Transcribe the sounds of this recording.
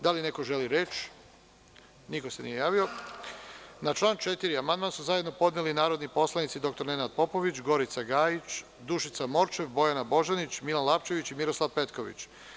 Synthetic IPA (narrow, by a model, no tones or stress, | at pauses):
d̪aline̞ko̞ʒeliɾe̞t͡ʃ | niko̞senijejaːʋio̞ | nat͡ʃlˠaːnt͡ʃe̞t̪iɾiamand̪mansuzajed̪nopo̞d̪nelinaːɾo̞d̪nipo̞slˠanit̪sid̪o̞k̚t̪o̞ɾne̞nad̪̚po̞po̞ʋit͡ɕɡo̞ɾit̪saɡaːjit͡ɕ | d̪uʃit̪samo̞ɾt͡ʃe̞ʋbo̞janabo̞ʒanit͡ɕmilanlˠapt͡ʃe̞ʋit͡ɕimiɾo̞slˠaʋpe̞t̪ko̞ʋḭt͡ɕ